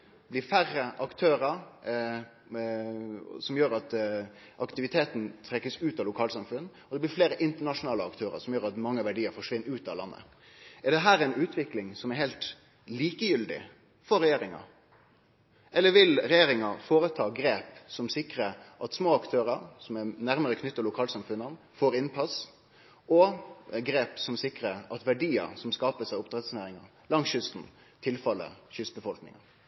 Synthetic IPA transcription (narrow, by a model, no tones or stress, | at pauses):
blɪːfærːəʔɑkt̪ʰøːɾəɾ | sɔmjøːɾɑt̪ | ʔɑkt̪ɪʋɪt̪ʰeːt̪n̩t̪ʰɾɛkːəsʉːt̪ɑlʊkʰɑːlsɑmfʉn | ɔd̪ɛblɪːɾfleːɾəʔɪnt̪əɳɑʂʊnɑːləɑ̰kt̪ʰøːɾə̰sɔmjøːɾɑt̪mɑŋːəʋæɖiːəɾfɔʂʋɪnːəɾʉːt̪ɑ̰lɑ̰nːə̰ | ɛɖ̪ɛɦæːɾɛɪnʉːt̪ʰʋɪklɪŋsɔmɛɾhɛɪlt̪ | liːkəjʏld̪ɪ̰ | fɔɾɛjeːɾɪŋɑ̰ | ʔɛlːəʋɪlɾɛjeːɾɪŋɑfoːɾət̪ʰɑːɡɾeːpsɔmsɪkɾəʔɑt̪smoːɑkt̪ʰøːʁəɾsɔmɛnæɾməɾəkʰnʏt̪ːəlʊkʰɑːlsɑmfʉnɑn | foːɾɪnpʰɑs | ɔɡɾeːpsɔmsɪkɾəɾɑt̪ʋæɖiːə̰ɾsɔmskɑːpəsæɪʊpt̪ɾɛt̪snæːɾɪŋɑʁ | lɑŋsʏst̪n̩ | t̪ʰɪlfɑlːə̰ɕʏsbəfɔlknɪ̰ŋɑ̰ɾ